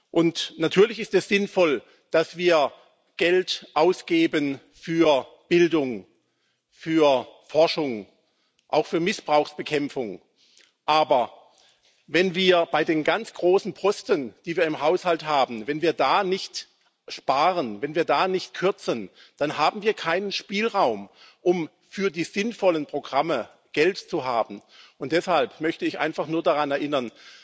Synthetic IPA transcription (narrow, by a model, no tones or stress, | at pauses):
ʔʊntnatʰyːɐlɪçɪstɛsz̥ɪnfɔl | d̥asv̥iːɐ | ɡ̥ɛltʔaʊsɡ̥eːbən | fyːɐ | b̥ɪldʊŋ | fyːɐfɔɐʃʊŋ | ʔaʊxfyːɐmɪsb̥ʁaʊxsb̥əkʰɛmfʊŋ | ʔaːbɐ | vɛnviːɐb̥aɪdeːnɡant͡sɡ̥ʁoːsn̩pʰɔstənd̥iːviːɐɪmɦaʊshalthaːbm̩vɛnviːɐdaːnɪçt | ʃpaːʁənvɛnviːɐdaːnɪçt̚kʰʏɐt͡sən | d̥anɦaːbm̩viːɐkʰaɪnənʃpiːlʁaʊm | ʔʊm | fyːɐdiːz̥ɪnfɔlənpʁ̥oɡʁamə | ɡ̥ɛltt͡suɦaːbm̩ʊnt̚d̥ɛshalpmœçtəɪçʔa̰ɪnfaχnuːɐdaʁanɛɐʔɪnɐn